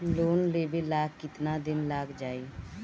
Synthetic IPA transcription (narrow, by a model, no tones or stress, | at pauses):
loːnleːbeːlaːɡkɪt̪naːd̪ɪnlaːɡd͡ʒaːiː